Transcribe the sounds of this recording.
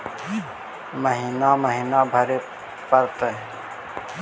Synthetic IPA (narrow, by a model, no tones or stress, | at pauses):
məɦiːnaməɦiːnabʱəɾe | pəɾt̪əɦ